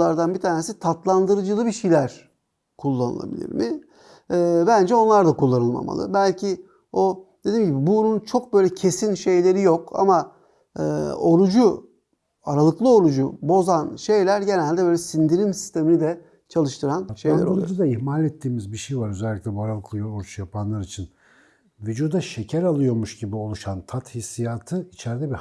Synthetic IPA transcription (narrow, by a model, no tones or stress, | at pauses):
aɾd̪anbit̪ʰaːne̞sit̪ʰat̪lˠand̪ɯɾɯd͡ʒɯlˠɯbiʃijlʲæɾ̥ | kʰulˠːanɯ̰lˠa̰bḭlʲḭɾmɪ | ɛːbænd͡ʒɛo̞nlˠaɾd̪akʰulˠːanɯlˠma̰ma̰lˠɯ̰bælʲcʰi | o̞d̪̥e̞d̪iːmɟibibununt͡ʃʰo̞k̚bø̞jlʲɛcʰe̞sinʃe̞jlʲe̞ɾijo̞ka̰ma̰ː | o̞ɾud͡ʒu | aɾalˠɯklˠɯo̞ɾud͡ʒubo̞zanʃe̞jlʲæɾɟe̞nælʲd̪ɛbø̞ːlʲɛsind̪iɾimsi̥st̪ʰe̞minid̪ɛ | t͡ʃʰalˠɯʃt̪ʰɯɾanʃejlʲæɾoɾud͡ʒud̪aiçmalʲɛt̪ʰːiːmizbiʃejvaɾøzɛlʲːiclʲɛbuaɾalˠɯklˠɯoɾut͡ʃjapʰanlˠaɾit͡ʃʰin | vyd͡ʒuːd̪aʃe̞cʰæɾalˠɯjo̞ɾmuʃɟibio̞lˠuʃant̪ʰat̪hisːijat̪ʰɯit͡ʃʰɛɾd̪ɛbi